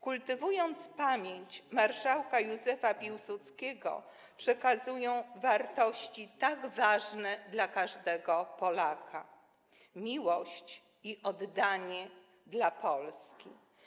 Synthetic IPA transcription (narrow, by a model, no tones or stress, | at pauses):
kult̪ɘvujɔnt̪spamʲjeɲt͡ɕmaɾʂawkajuzɛfapʲiwsut̪skʲɛɡɔ̰ | pʂɛkazujɔ̃w̃vaɾt̪ɔɕt͡ɕit̪aɡvaʐnɛd̪lakaʐd̪ɛɡɔpɔlakʰa | mʲiwɔɕt͡ɕ | iʔɔd̪ːaɲɛ | d̪lapɔlskʲḭ